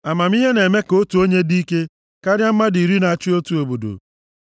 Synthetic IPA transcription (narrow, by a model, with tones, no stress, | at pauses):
a˨ma˨m̩˦i˦ɦe˦ne˨me˦ko˦tu˨o˦ɲe˦di˦ke˦ | ka˦ɾja˦m̩˦ma˦di˨ɾi˦na˨a˨t͡ʃi˦o˦tu˦o˨bo˨do̰˨